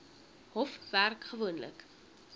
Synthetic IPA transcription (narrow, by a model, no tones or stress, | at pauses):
hɔfværkχəvuənlə̰k